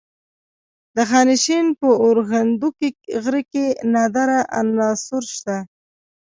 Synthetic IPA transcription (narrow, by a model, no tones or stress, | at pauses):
d̪əxɑnɪʃenpəoɾɣand̪ukeɣɾəkenɑd̪aɾaʔa̰nːɑsʊɾʃt̪a